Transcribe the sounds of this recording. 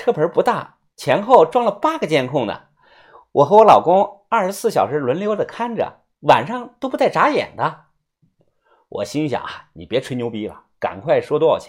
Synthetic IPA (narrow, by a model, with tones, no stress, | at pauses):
ʈ͡ʂʰɤ˥˩pʰə˞˧˥pu˧˥t̪a̰˥˩ | t͡ɕʰjɛ˧˥nxo˥˧ʊʈ͡ʂwɑ˥˧ŋlə˨pa˥ɡə˨t͡ɕjɛ˥˧nkʰʊ˥˩ŋd̪ə̰˩ | wʔɔ˨˩xɤ˧˥wɔ˧˥lɑ˨˩ʊkʊ˥ŋa˞˥˩ʂɻ̩˧˥sɹ̩˥˩ɕjɑ˨˩ʊʂɻ̩˧˥lwə˧˥nljo˥ʊd̪ə˨kʰa˥nʈ͡ʂə̰˨˩ | wa˨˩nʂɑ˥˩ŋt̪o˥ʊpu˧˥t͡sa˥˩ɪʈ͡ʂa˧˥jɛ̰˨˩nd̪ə˦ | wɔ̰˨˩ɕi˥ŋɕjɑ̰˨˩˦ŋa˦ni˨˩pjɛ˧˥ʈ͡ʂʰwe˧˥ɪnjo˧˥pi˧˥lə̰˨ka̰˨˩nkʰwa˥˩ɪʂwɔ˥t̪wɔ˥ɑ˨˩t͡ɕʰɛ˥